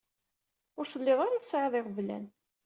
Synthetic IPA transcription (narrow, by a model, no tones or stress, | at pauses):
ʊɾθəlːeðˤaɾaθəsʕeðˤɪʁvlæ̰n